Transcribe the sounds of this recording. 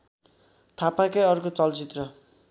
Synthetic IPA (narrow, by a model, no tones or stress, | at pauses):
t̪ʰapakʌjʌɾkot͡sʌlt͡sit̪rʌ